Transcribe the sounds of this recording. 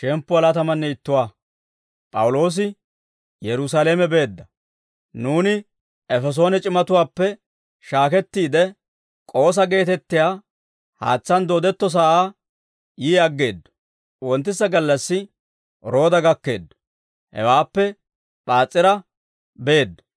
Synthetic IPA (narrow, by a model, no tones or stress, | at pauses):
ʃɛmpːʊɐlat̪ɐmɐnːɛɪt̪ːʊwaː | pʼɐwʊlo̞ːs̬ɪ | jɛɾʊs̬alemɛbe̞ːd̪ːɐ | nuːnɪ | ɛfɛs̬o̞ːnɛt͡ʃʼɪmɐt̪ʊwaːpːɛ | ʃaːkɛt̪ːiːd̪ɛ | kʼo̞ːs̬ɐɡe̞ːt̪ɛt̪ːɪjaː | ha̰ːt͡sːɐnd̪o̞ːd̪ɛt̪ːɔs̬aːaː | jiːɐɡːe̞ːd̪ːɔ̥ | wɔnt̪ːɪsːɐɡɐlːɐsːɪ | ɾo̞ːd̪ɐɡɐkːe̞̰ːd̪ːɔ̥ | hɛ̰waːpːɛ | ɓaːt͡sʼːɪɾɐ | be̞ːd̪ːɔ̥